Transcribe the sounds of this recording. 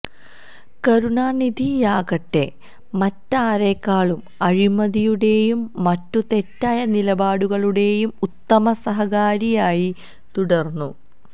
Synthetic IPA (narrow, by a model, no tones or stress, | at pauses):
kɐɾuɳaːnid̪ʱijaːkɐʈːe̞ | mɐtːaːɾe̞ːkːaːɭum | ɐɻimɐðijuɽe̞jumːɐtːut̪e̞tːaːjɐnilɐbaːɽuɣɐɭuɽe̞jumut̪ːɐmɐsɐɦɐɣaːɾijaːji | t̪uɽɐrnːu